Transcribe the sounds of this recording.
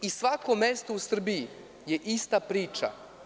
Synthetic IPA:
isʋako̞mest̪o̞usr̩biji | jeʔist̪apɾiːt͡ʃa̰

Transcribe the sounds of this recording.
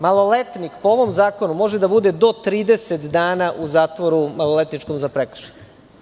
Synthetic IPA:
malˠo̞let̪nikpooʋo̞mzaːkonumo̞ʒed̪abud̪ed̪o̞t̪ɾiːd̪e̞set̪d̪aːnaʔuzaːt̪ʋoɾumalolet̪nit͡ʃkomzapɾekr̥̩ʃeɲ

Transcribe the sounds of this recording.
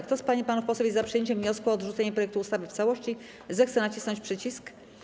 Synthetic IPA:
kt̪ɔspaɲipanufpɔswɔvʲizapʂɨjeɲt͡ɕɛmvɲɔskuɔːd̪ʐut̪sɛɲɛpɾɔjɛk̚t̪uːst̪avɘft̪sawɔɕt͡ɕi | zɛxt̪sɛnat͡ɕisnɔɲt͡ɕpʂɘt͡ɕisk

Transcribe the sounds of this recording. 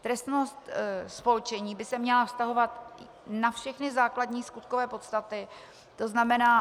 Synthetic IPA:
t̪ɾɛst̪no̞st̪spo̞lt͡ʃɛɲiːbɪsɛmɲɛlafst̪aɦo̞vat̪ | nafʃɛxnɪzaːkladɲiːskut̪ko̞vɛːpo̞t̪st̪at̪ɪ | t̪o̞znamɛnaː

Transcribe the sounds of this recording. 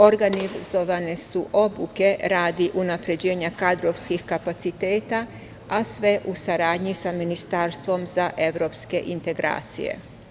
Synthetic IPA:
o̞ɾɡanizo̞ʋane̞suʔo̞buke̞ɾaːd̪iʔunapɾe̞d͡ʑe̞ːɲakad̪ɾo̞ʋskixkapat̪sit̪e̞ːt̪a | asʋe̞ʔusaɾaːd̪ɲisaminist̪aːɾst̪ʋo̞mzaʔe̞ʋɾo̞ːpske̞ʔint̪e̞ɡɾa̰ːt̪sḭjḛ

